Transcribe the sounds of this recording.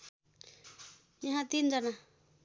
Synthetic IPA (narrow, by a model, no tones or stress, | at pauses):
jaɦãt̪ind͡ʒana